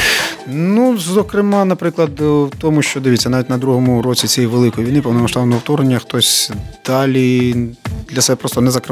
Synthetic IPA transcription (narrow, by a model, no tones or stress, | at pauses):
nuzɔkɾɪmɑnɐpɾɪklˠɐd̪wt̪ɔmʊʃt͡ʃɔd̪ɪʋitʲt͡sʲːɐnɑʋʲitʲnɐd̪ɾuɦɔmʊɾɔt͡sʲit͡sʲɛjiʋelˠɪkɔjʋʲijnɪpɐwnɔmɐʃt̪ɑbnɔɔwt̪ɔɾnenʲːɐxt̪ɔsʲd̪̥ɑlʲi | d̪lʲɐsɛbɛpɾɔst̪ɔnɛzɐkɾɪ